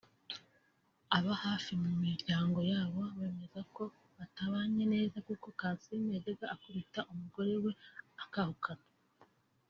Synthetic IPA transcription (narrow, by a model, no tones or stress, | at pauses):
aβahaːfimumiɾɟaːŋɡo̞jaːβo̞βe̞ːme̞zako̞ | βataβaɲe̞ne̞ːzakuko̞kaːnsimeɟeɡaʔːkuβitaʔumuɡo̞ɾe̞we̞akahukʰana